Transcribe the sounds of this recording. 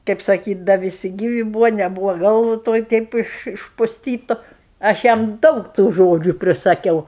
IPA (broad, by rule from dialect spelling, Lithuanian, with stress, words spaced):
kɐɪp sɐˈkʲiːtʲ dɐ ʋʲɪˈsʲɪ ˈɡʲiːʋʲɪ buːʋoː nʲɛˈbuːʋoː ˈɡɐlˠʋʊ ˈtoːj ˈtʲɛɪp ɪʃ ɪʃpʊsʲˈtʲiːtʊ ɐʃ ˈjɛm ˈdɐʊk tuː ˈʒoːd͡ʒʲʊ pʲrʲɪsɐˈkʲɛʊ